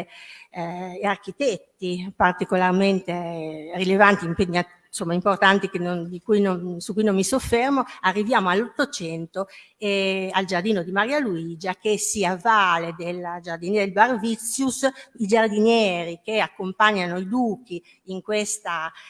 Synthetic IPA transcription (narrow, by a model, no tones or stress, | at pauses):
arkit̪ɛt̪ːipart̪ikolarment̪erilevant̪iimpeɲːa | nsomːaimport̪ant̪ikenond̪ikujnonsukːujnomːisofːermoarːivjaːmoalːot̪ːot͡ʃɛnt̪o | eald͡ʒard̪iːnod̪imaɾiːaluiːd͡ʒakesiavːaːled̪elːad͡ʒard̪ind̪elbarvit̪sːjusid͡ʒard̪injɛːɾikeakːompaɲːanoid̪uːkiː | ŋkwest̪a